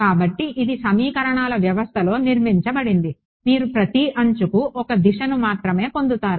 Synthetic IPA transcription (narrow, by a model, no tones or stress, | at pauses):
kaːbɐʈːiʔid̪isɐmiːkɐɾɐɳaːlɐʋjɐʋɐst̪ʰɐlo̞ːniɾmiɲt͡ʃɐbɐɽind̪i | miːɾupɾɐt̪iɐɲt͡ʃukuʔɔkɐd̪iʃɐnumaːt̪ɾɐme̞ːpo̞nd̪ut̪aːɾu